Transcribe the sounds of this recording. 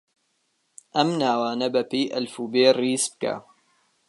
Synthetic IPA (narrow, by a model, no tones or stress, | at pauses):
ʔɐmnaːwaːnɐbɐpijʔɐlfuːbeːriːsb̚kɐ̰